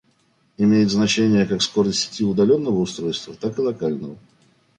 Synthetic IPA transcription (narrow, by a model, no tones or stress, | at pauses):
ɪmʲejɪt̪znɐt͡ɕenʲɪjəkaksko̞ɾəsʲsʲɪ̥tʲiʊd̪ɐlʲo̞nːəvəʊst̪ɾo̞jst̪vət̪akɨlˠɐkalʲnəvə